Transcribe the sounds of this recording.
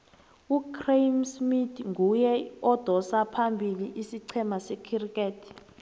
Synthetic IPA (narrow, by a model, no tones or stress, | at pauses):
ukʰremsmitʰŋujɛɔd̥ʱɔsapʰambʱiliʔisiǀʰɛmasɛkʰirikʼeːtʰi̥